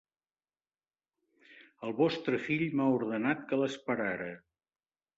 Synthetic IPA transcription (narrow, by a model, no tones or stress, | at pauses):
əlˠβɔst̪ɾəfiʎmauɾðənat̪kələspəɾaɾə